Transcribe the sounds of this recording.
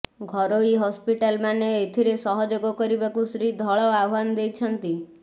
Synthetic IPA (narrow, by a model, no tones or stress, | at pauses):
ɡʱɔɾoiɦɔspiʈalmaneːt̪ʰiɾesɔɦɔd͡ʒoɡɔkɔɾibakusɾid̪ʱɔɭɔaɦand̪ejt͡ʃʰɔnt̪i